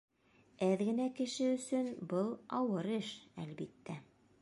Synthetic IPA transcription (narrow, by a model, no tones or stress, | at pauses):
æðɡɘ̆nækɘ̆ʃɘɵ̆sɵnbɤlˠɑwɤɾɘʃæ̰lbit̪ːæ